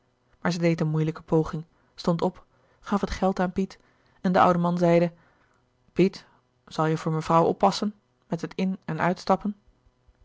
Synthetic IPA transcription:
maːɹzədejtənmujləkəpʰowχɪŋ | stɔntɔp | χɑfɦətχɛlˠtaːnpit | ɛndəʔʌ̰wdəmɑnzɛjdə | pit | z̥ɑlˠjəvʊːɹmənvrʌwɔ̰pːɑsən | mɛtətɪnɛnœ̰ɥtstɑpən

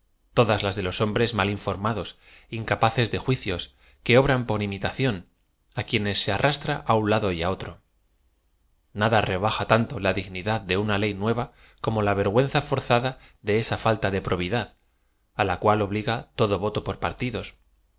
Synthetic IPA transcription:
t̪o̞ðazlazðe̞lo̞so̞mbɾe̞zmaliɱfo̞ɾmaðo̞s | iŋkapaθe̞zðe̞xwiθjo̞s | ke̞o̞βɾampo̞ɾimit̪aθjo̞n | akje̞ne̞sːe̞arʔast̪ɾaʔaunlaðo̞jao̞t̪ɾo̞ | naðare̞β̞axat̪ant̪o̞laðiɣniðaðde̞unale̞jnwe̞βa | ko̞mo̞laβ̞e̞ɾɣwe̞n̟θafo̞ɾθaðaðe̞esafalt̪aðe̞pɾo̞β̞iðað | alakwalo̞β̞liɣat̪o̞ðo̞βo̞t̪o̞po̞ɾpaɾt̪iðo̞s

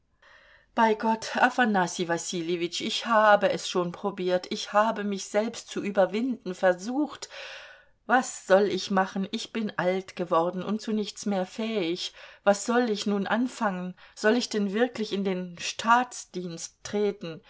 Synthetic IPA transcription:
b̥aɪɡɔtʔafanasivasilevɪt͡ʃɪçhaːbəʔɛsʃoːnpʁ̥obiːɐtɪçhaːbəmɪçz̥ɛlpstt͡suʔyːbɐvɪndn̩fɛɐzuːxt | vasz̥ɔlɪçmaχn̩ɪçb̥ɪnʔaltɡ̥əvɔɐdn̩ʊ̰nt̚t͡sunɪçt͡smeːɐfɛːɪçvasz̥ɔlɪçnuːnʔanfaŋənz̥ɔlɪçd̥ɛnvɪɐklɪçɪndeːnʃtʰaːt͡sd̥iːnstːʁ̥eːtn̩

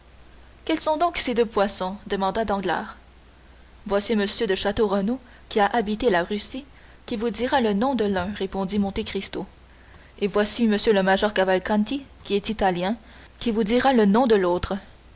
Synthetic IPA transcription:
kʲɛlsɔ̃d̪ɔ̃ksed̪øpwasɔ̃d̪əmɑ̃d̪ad̪ɑ̃ɡla̰ːʁ | vwasiməsjød̪əʃat̪oʁəno | kʲiaʔabit̪elaʁysi | kʲivud̪iʁalənɔ̃d̪əlœ̃ʁepɔ̃d̪imɔ̃t̪ekχist̪o | evwasiməsjøləmaʒɔʁkavalkɑ̃nt̪ikʲiɛt̪it̪aljɛ̃ | kʲivud̪iʁalənɔ̃d̪əloːt̪χə

